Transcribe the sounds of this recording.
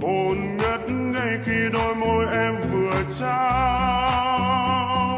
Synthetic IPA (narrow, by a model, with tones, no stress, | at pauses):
ʔo˨˩nŋə˨˦˥t̚nŋaə˧˩jxi˧ɗo˧jmo˧jʔɛ˧mvɨ˨˩ət͡ɕaː˧